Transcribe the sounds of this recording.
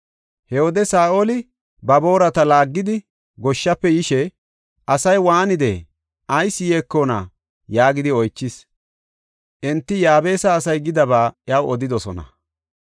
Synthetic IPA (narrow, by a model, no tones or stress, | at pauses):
hɛhoːd̪ɛsaːʔolɪ | bɐbo̞ːɾɐt̪ɐlaːɡːɪd̪ɪ | ɡɔʃːɐpːɛjɪʃɛ | ʔɐsɐjwaːnɪd̪ḛ | ʔɐjsːɪjeːkːoːna̰ː | jaːɡɪd̪ɪɔjt͡ʃːɪs | ʔɛnt̪ːɪjaːbe̞ːsɐːsɐjɡɪd̪ɐbaːjɐwɔd̪ɪd̪ɔsɔnɐ̰